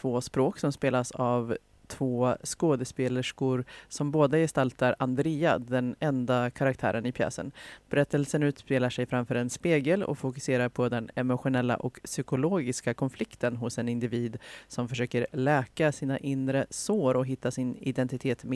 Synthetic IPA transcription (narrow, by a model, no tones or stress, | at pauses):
t̪voːspɾoːksɔmspeːlasav | t̪ʰvoːskoːd̪əspeːləʂkʊɾsɔmboːd̪ajɛst̪alt̪aɾand̪ɾiːa̰d̪ɛnɛnd̪akʰaɾak̚t̪ʰæ̰ːɾənɪpʰjɛ̰ːsə̰nb̥ɛɾɛt̪ːəlsənʉ̟ːt̪speːlaʂɛjfɾamfœːɾɛnspeːɡəlɔ̰kfʊkɵ̥seːɾaɾpʰɔd̪ɛnɛmʊɧʊnɛlːa̰ʔɔksʏkʊloːɡɪskakʰɔnflɪkt̪ʰənɦʊsɛnɪnd̪ɪviːd̪sɔmfœʂøːkəɾlɛːkasiːnaʔɪnɾəsoːɾɔɦɪt̪ːasɪnɪd̪ɛnt̪ɪt̪ʰeːt̪m